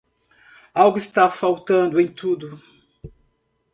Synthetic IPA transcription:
awɡʊist̪afawt̪ɐ̃nd̪ʊẽj̃t̪ud̪ʊ

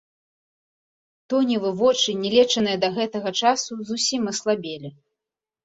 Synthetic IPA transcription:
t̪ɔnʲivɨvɔt͡ʂɨnʲɛlʲɛt͡ʂɐnɨjɐd̪ɐɣɛt̪ɐɣɐt͡ʂasuzusʲimɐslˠabʲɛlʲi

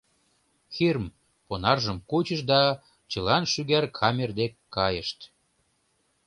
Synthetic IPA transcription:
xirm | ponɑrʒəmkut͡ɕəʃd̪ɑ | t͡ɕəlɑnʃyɣærkʰɑmʲerd̪ekːɑjəʃt̪

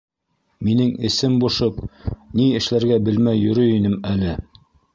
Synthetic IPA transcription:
minɘŋɘ̆sɘmbuʃɤpniɘ̆ʃlæɾɡæbɘ̆lmæjːɵ̆ɾɵinɘmælɘ

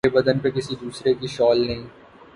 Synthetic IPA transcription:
ebɐd̪ənpekɪsid̪uːsɾekiʃɔːlnɐɦĩː

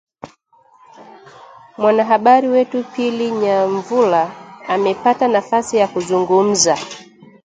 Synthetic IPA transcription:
mwanaɦaɓaɾiwɛtupiliɲaɱvulaamɛpatanafasijakuzuŋɡum̩za

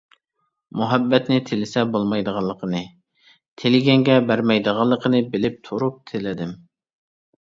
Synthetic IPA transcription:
muɦɛbːɛt̪nɪt̪ʰɪlɪsɛbolˠmɑjd̪əʁɑlˠːəqʰənɨ | t̪ʰelɪɡʲɛŋɡʲɛbæɾmɛjd̪əʁɑlˠːəqʰənɨbɪlɪp̚t̪ʰuɾup̚t̪ʰɪlɪd̪ɪm

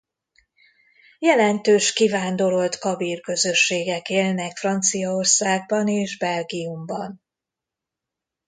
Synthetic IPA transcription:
jɛlɛnt̪øːʃkivaːnd̪o̞ɾo̞lt̪kɒbiːrkø̞zø̞ʃːeːɡɛkeːlnɛkfrɒnt̪sijɒorsaːɡ̚bɒneːʒbɛlɡiumbɒn

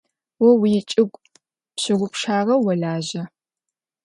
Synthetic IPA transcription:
wɔwijɪt͡ʃʼɪɡʷʼ | pɕɪʁʷʊpʂaːrɐwɔɮaːʒɐ

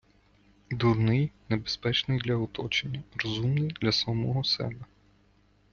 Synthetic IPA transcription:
d̪urnɪjnebespɛt͡ʃnɪjd̪lʲɐɔt̪ɔt͡ʃenʲːɐrɔzumnɪjd̪lʲɐsɐmɔɦɔsɛ̰bɛ

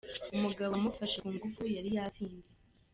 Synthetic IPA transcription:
umuɡaβamufaʃakuːŋɡufujaɾijasiːnze

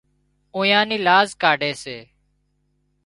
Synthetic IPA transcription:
õːjãːniːlaːzkaːɖeːseː

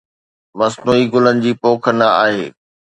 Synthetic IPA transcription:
mɐsnuːiɡʊlənɪ̆d͡ʑiːpoːkʰənaa̰ːɦeː

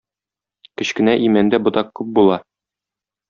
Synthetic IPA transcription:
kɘ̆ɕkɘ̆næʔimænd̪æbŏt̪ɑqːʉp̚bulˠɑ

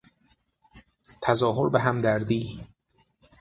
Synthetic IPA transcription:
t̪ʰæzɒːɦoɾbeɦæmd̪æɾd̪iː

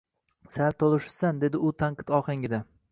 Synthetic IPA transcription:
saɾt̪ʰolˠɪʃsand̪e̞d̪ɪʊt̪ʰaɴqʰɨt̪ɒχɪŋɪd̪a

